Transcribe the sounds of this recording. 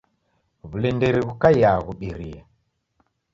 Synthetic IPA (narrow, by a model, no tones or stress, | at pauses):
βulɛndɛɾiβukajaɣuɓiɾia